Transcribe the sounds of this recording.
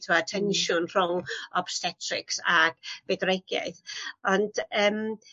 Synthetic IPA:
tʰuwatʰɛnʃʊnr̥ʊŋɔb̥sθɛtʰrɪ̰ksaɡ̥bɛdreɡ̥ja̰ɨθɔnd̥əːm

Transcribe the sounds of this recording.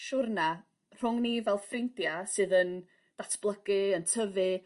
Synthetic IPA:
ʃʊrna | r̥ʊŋnivɛlˠðfrɪntjasɨːðən | d̥atʰb̥lˠəɡ̥ɨəntʰəvɨ

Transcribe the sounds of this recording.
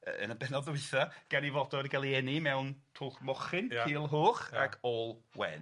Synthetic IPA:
əə̰nəbɛnɔdʊɨθaɡ̥anivɔdɔdiɡalˠiɛnimɛwntʰʊχmɔχɪnkiːlˠɦoːχa̰ɡɔlˠwɛ̰n

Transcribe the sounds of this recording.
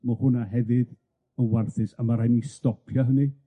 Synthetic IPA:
mahʊnaɦɛvɨd | ənwarθɨsamaɾajnistɔpʰjaɦəni

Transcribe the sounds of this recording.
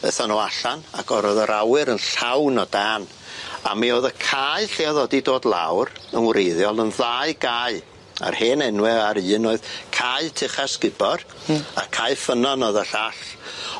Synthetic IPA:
ə̰θanɔaɬanaɡɔɾoðəɾawɨɾənɬawnɔdaːn | a̰mioːðəkʰaɨɬeaðɔdidoːdlˠa̰wrənwɾejðjɔlˠənðaɨɡaːɨ | a̰rheːnɛnwɛaɾɨːnoːɨð̥kʰaɨtʰɪχaskɪbɔr | akʰaːɨfənɔnɔðaɬaɬ

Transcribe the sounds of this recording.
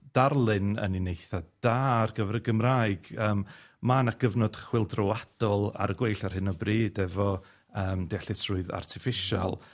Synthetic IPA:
d̥arlˠɨnə̰ninejθad̥arɡəvɛɾəɡəmraːɨɡ̥əːmmanaɡ̥əvnɔd̥χwɪlˠdrɔwad̥ɔlˠa̰ɾəɡwejɬar̥hɪnɔbriːdɛvɔ | əːmdeaɬɪtʰrʊɨða̰rtʰɪfɪʃa̰lˠ

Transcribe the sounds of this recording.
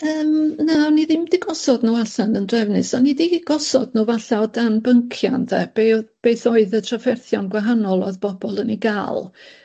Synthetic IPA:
əːmnaɔniðɪmdiɡɔsɔdnuaɬanəndrɛvnɨsanidiɡ̥ɔsɔdnuvaɬaɔdanbəŋkʰja̰nðɛb̥eb̥eːθɔɨðətʰrafɛrθjɔnɡwaɦanɔlˠɔ̰ðb̥ɔb̥ɔlˠəniɡa̰ːlˠ

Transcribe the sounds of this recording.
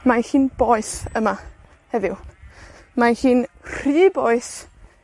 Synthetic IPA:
mahiːnbɔɨsəma | hɛðɪw | mahiːnr̥iːboɨs

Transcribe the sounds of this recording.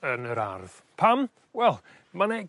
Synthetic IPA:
ənəɾa̰rð̥ | pʰam | wɛlˠ | mane

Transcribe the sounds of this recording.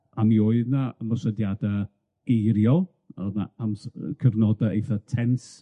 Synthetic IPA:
amioɨðnaəmɔrsədjada | ɡejɾjɔ | əna̰amskʰəvnɔdaejθatʰɛns

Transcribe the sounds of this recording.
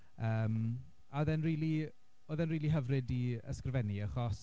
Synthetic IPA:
əːm | aɔðɛnriːlˠi | oːðɛnriːlˠiɦəvrɨdiə̰skrvɛniəχɔs

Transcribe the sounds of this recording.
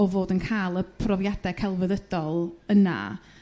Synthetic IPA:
ɔvoːdənkʰajlˠəpʰrɔvjadɛkʰɛlˠvəðəd̥ɔlˠəna̰

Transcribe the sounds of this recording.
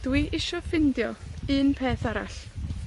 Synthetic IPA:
d̥wiʔɪʃɔfɪndjɔɨːnpʰeːθaɾa̰ɬ

